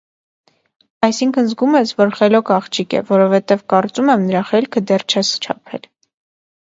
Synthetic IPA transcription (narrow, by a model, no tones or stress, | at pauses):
ɑjsiŋkʰənzɡumɛt͡sʰvɔɾχɛlɔkɑχt͡ʃʰikɛ̰vɔɾɔvɛt̪ɛvkɑɾt͡sumɛmnəɾɑχɛlkʰəd̪ɛrt͡ʃʰɛst͡ʃʰɑ̰pʰɛ̰l